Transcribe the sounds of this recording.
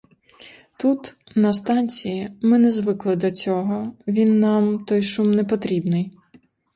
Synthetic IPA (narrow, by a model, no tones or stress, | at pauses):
t̪ut̪ | nɐst̪ɑnʲt͡sʲijimɪnɛzʋɪklˠɪd̪ɔt͡sʲɔɦɔʋʲinːɑmt̪ɔjʃumnɛpɔt̪ɾʲibnɪj